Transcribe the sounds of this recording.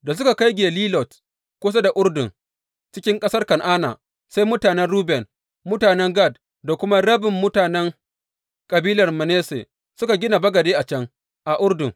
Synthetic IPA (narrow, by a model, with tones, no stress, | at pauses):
da˨s̬ʊ˦ka˨ka˦jɡʲeː˨liː˦lɔ˨t | kʷoː˦s̬a˦da˨ʔʊ˦ɽdʊ˨ŋ | t͡ʃɪ˦kʲɪ˦ŋkʼɐ˦sɐ˦rkɐ˨nʔaː˦na̰˨ | sa˦jmʊ˦taː˨nɛ˦nɽuː˦bɛ˨n | mʊ˦taː˨nɛ˦ŋɡa˦˨d̚ | da˨kʷʊ˦ma˦ɽɐ˦bɪ˨mːʊ˦taː˨nɛ˦ŋ | kʼɐ˨biː˦lɐ˨rmɐ˨neː˦sḛː˨ | sʊ˦ka˨ɡʲɪ˦na˨bɐ˦ɡɐ˨deː˦ʔa˨t͡ʃɐ˦ŋ | ʔa˨ʔʊ˦ɽdʊ˨ŋ